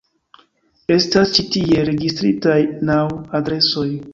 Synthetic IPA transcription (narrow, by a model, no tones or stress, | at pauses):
e̞stast͡ʃitie̞ɾe̞ɡistɾitajnawadɾe̞so̞j